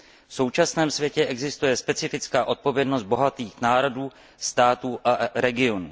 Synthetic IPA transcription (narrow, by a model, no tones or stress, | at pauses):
fso̞wt͡ʃasnɛːmsvjɛcɛʔɛɡzɪst̪ujɛspɛt͡sɪfɪt͡skaːʔo̞t̪̚po̞vjɛdnost̪̚bo̞ɦat̪iːxnaːɾo̞duː | st̪aːt̪uːʔaɾɛɡɪonuː